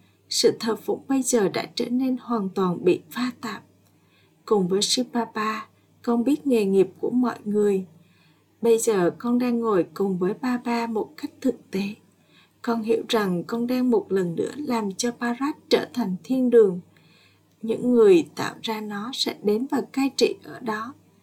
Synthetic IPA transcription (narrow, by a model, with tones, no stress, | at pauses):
sɨ̰˧˨t̪ʰə˨˩p̚vʊ̰˧˥ŋ͡mɓə˧jzəː˨˩ɗa̰ː˧˥t͡ɕə̰ː˧˩ne˧nhwaː˨˩nt̪waː˨˩nɓḭ˧˨faː˧t̪aː˨˩p̚ | kʊ˨˩ŋ͡mvəː˨˦jsi˧ɓaː˧ɓaː˧ | kɔ˧nɓi˦˥ət̚ŋe˨˩ŋi˨˩əp̚ku˧˩əmɔ̰˧˨jŋɨ˨˩əj | ɓə˧jzəː˨˩kɔ˧nɗaː˧ŋːo˨˩jkʊ˨˩ŋ͡mvəː˨˦jɓaː˧ɓaː˧mo˨˩t̚ka˦˥jk̟̚t̪ʰɨ˨˩k̚t̪e˨˦ | kɔ˧nhḭ˧˥əwza˨˩ŋkɔ˧nɗaː˧ŋmo˨˩t̚lə˨˩nːɨ̰˧˥əlaː˨˩mt͡ɕɔ˧paː˧zaː˦˥t̚t͡ɕəː˧˩t̪ʰa˨˩jŋ̟t̪ʰi˧ənɗɨ˨˩əŋ | ɲɨ̰˧˥ŋːɨ˨˩əjt̪a̰ː˧˨wzaː˧nɔ˨˦sɛ̰˧˥ɗe˨˦nvaː˨˩kaː˧jt͡ɕḭ˧˨ʔəː˧˩ɗɔ˨˦